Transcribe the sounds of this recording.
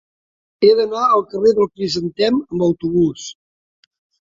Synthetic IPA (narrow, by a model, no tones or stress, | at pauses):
eðənaəlˠkəreðəlˠpɾizənt̪ɛməmbəwt̪uβ̞us